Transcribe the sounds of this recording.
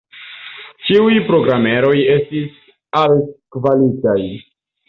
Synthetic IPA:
t͡ʃiujpɾo̞ɡɾame̞ɾo̞je̞stis | alkvalitaj

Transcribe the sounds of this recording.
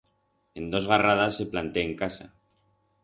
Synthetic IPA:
e̞nd̪o̞zɣarað̞asːe̞plant̪e̞ːŋkasa

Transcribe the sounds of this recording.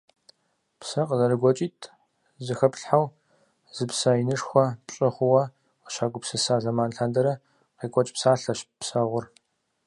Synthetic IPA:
psɐqəzɐɾɨɡʷɔt͡ʃʼiːtʰ | zɨxɐpɬħaw | zɨpsajinɨʂxʷɔpɕʼɪχʷʊwɐ | qəʃaːɡʷʊpsɨsaːzɐmaːnɬaːndɐɾɐ | qiːkʷʼɔt͡ʃʼpsaːɬɐɕpsɐʁʷʊr

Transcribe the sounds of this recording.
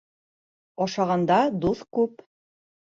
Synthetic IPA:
ɑʃɑʁɑnd̪ɑd̪uθkʉp

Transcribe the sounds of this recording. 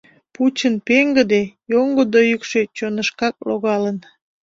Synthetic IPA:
put͡ɕənpeŋɡəd̪ejoŋɡod̪ojykʃe̽t͡ɕonəʃkɑk̚loɣɑlən

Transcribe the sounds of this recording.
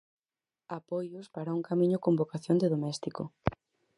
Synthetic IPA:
apojʊspaɾauŋkamĩɲʊkombokaθjond̪eðomɛst̪iko̰

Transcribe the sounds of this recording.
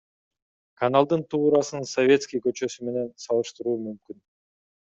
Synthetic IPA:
kanalˠd̪ɯnt̪ʰuːɾɑsɯnsovʲe̞t̪skʲijkø̞t͡ʃø̞syme̞ne̞nsɑlˠɯʃt̪ɯɾuːmymkyn

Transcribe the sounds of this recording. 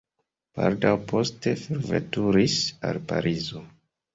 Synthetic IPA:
b̥aldawpo̞ste̞feɾvḛtuɾisalpa̰ɾʔizo

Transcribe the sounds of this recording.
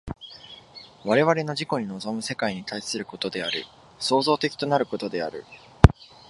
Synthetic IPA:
βaɾe̞βaɾe̞no̞ʑiko̞ɲ̟ino̞zo̞mɯ̟se̞kaiɲ̟it̪aisɨɾɯ̟ko̞t̪o̞d̪e̞aɾɯ̟̰ | so̞ːzo̞ːt̪e̞kʲi̥t̪o̞naɾɯ̟ko̞t̪o̞d̪e̞a̰ɾɯ̟̰

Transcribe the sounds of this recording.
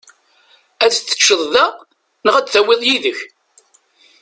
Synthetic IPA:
æðθːə̥t͡ʃːəðˤðæ | nəʁæt͡sθæwɪðˤjiðəç

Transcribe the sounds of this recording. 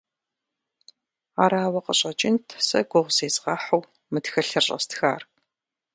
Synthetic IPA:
aːɾaːwɐqəɕʼɐt͡ʃʼɪntʰsɐ̰ɡʷʊʁʷz̥eːzʁɑːħɐw | mɨtxɐɬɐrɕʼɐ̰stxa̰ːr

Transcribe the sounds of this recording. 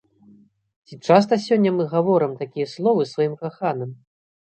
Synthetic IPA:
t͡sʲit͡ʂas̬t̪ɐsʲɔnʲːɐmɨɣavɔɾɨmt̪akʲijɐslˠɔvɨsvajimkaxanɨm

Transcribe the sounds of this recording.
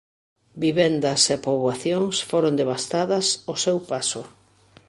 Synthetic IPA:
biβɛnd̪ɐsepoβwaθjoŋsfoɾond̪eβ̞ast̪aðɐsosewpasʊ

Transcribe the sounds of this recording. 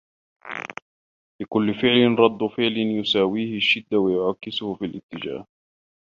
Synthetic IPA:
lɪkʊlːɪfɪʕlɪnɾˤɑd̪ˤːʊfɪʕlɪnjʊsaːwiːhɪʃːɪd̪ːawajʊʕɑkːɪsʊhʊfilʔɪt̪ːɪd͡ʒa̰ːh

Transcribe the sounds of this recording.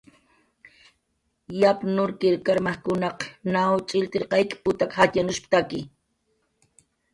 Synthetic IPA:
japnʊɾkɪɾkaɾmakʊnɑqnawt͡ʃʼɪlt̪ɪɾqɑjkpʊt̪akhat̪janʊʃpt̪akɪ

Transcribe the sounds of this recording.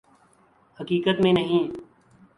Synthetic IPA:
həkiːkət̪mẽːnəɦĩː

